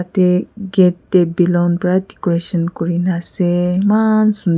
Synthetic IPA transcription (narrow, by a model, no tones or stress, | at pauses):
ateɡɛtːebilawnpɹadikɔɹesɔnkɔɹinasemansun